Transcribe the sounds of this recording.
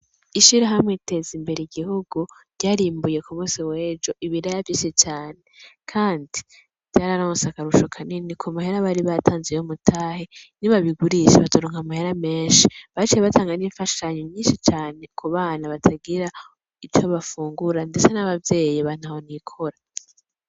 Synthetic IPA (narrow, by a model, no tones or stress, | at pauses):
iʃiɾaɦamŋeite̞zimbe̞ɾeiɡihuɡuɾɟaːɾiːmbuje̞kumuːsiwe̞ːd͡ʒo̞ʔiβiɾajavjiːʃit͡ʃaːnekʰaːndi | v̥ɟ̥aɾaɾamusakaɾuʃo̞kʰaninikʰomahe̞ɾaβaɾiβatʰaːnzejomutʰaːheniβaβiɡuɾiʃḛβatoɾoːŋhamahe̞ɾame̞ːnʃiβat͡ʃijeβatʰaːŋɡaniːɱfaʃaɲoɲɲiːnʃit͡ʃaːne̞kuβaːnaβatʰaɡiɾa | it͡ʃoβafuːŋɡuɾande̞t͡senaβavje̞ːjiβan̥aho̞nikʰoɾa